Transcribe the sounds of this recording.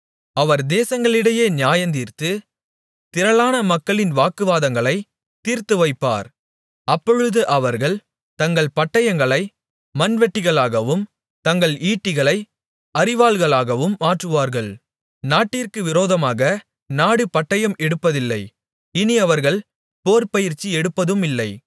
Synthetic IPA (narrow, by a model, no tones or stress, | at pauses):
ɐʋɐɾd̪eːsɐŋɡɐɭɪɽɐjeːnɪjaːjɐnd̪iːɾt̪ɯ | t̪ɪɾɐɭaːnɐmɐkːɐɭɪnʋaːkɯʋaːðɐŋɡɐɭɐɪ | t̪ːiːɾt̪ɯʋɐɪpːa̰ːɾ | ɐpːɔɻɯðɯʔɐʋɐɾɣɐɭ | t̪ɐŋɡɐɭpɐʈːɐjɐŋɡɐɭɐɪ | mɐnʋɛʈːɪɣɐɭaːɣɐʋɯm | t̪ɐŋɡɐɭiːʈːɪɣɐɭɐɪ | ɐɾɪʋaːlɣɐɭaːɣɐʋɯmːaːʈrɯʋaːɾɣɐɭ | naːʈːɪɾkɯʋɪɾoːðɐmaːɣɐ | naːɽɯpɐʈːɐjɐmɛɽɯpːɐðɪlːɐɪ | ɪniɐʋɐɾɣɐɭ | poːɾpɐjɪɾt͡ʃːiɛɽɯpːɐðɯmɪlːɐɪ